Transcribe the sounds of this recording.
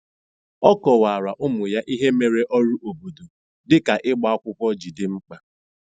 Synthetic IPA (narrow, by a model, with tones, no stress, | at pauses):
ɔ˦kɔ˨wa˨a˨ɾa˨ʔʊ˦mʊ˨ja˦ʔi˦ɦe˦me˨ɾe˦ʔɔ˦ɾu˦ʔo˨bo˨du˨ | dɪ˦ka˨ʔɪ˦ɡ͡ba˨a˦kʷʊ˦kʷɔ˦d͡ʒi˨dɪ˦ŋ͡m̩˦k͡pa˦